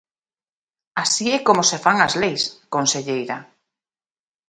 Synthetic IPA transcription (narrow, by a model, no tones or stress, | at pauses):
asiɛkomosefaŋazlejskonseʎejɾa